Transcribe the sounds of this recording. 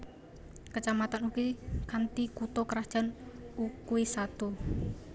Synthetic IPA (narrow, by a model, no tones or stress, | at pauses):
kət͡ʃamat̪anukikant̪ikut̪ɔkəɾḁʒ̥a̤nukuisat̪u